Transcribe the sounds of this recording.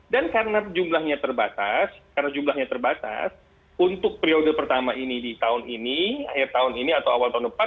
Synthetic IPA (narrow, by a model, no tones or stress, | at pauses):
dankarənaəd͡ʒumlahɲat̪ərbat̪askaənad͡ʒumlahɲat̪ərbat̪a̰s | unt̪ʊk̚pɾiodəpərt̪amaʔinidit̪aʊninia̰hɪrt̪aʊniniat̪awawalt̪aʊndəpa